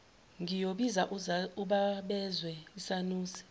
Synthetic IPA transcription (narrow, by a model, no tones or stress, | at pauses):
ŋijoɓizaʔuɓaɓɛzwɛisanuːsi̥